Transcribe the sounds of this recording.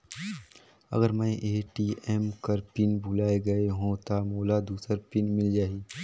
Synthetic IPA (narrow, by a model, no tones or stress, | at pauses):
ɐ̰ɡəɾmɛ̃ʔeːʈiːɛːmkɐɾpɪnbʱʊlaːeɡɐeɦõt̪amoːlad̪uːsəɾpɪnmɪld͡ʒaːiː